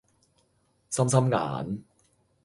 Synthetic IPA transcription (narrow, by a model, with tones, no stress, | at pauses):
sa˥msa˥mŋa̰ː˩˦n